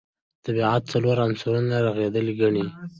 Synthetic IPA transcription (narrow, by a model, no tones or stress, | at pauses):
t̪abiʕat̪̚t͡saloɾansaɾunaɾaɣed̪əliɡaɳi